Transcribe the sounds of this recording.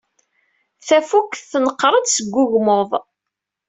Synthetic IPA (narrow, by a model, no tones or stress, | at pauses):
θæfukθθnəqːɾˤəd̪səɡʷːʊʝmoðˤ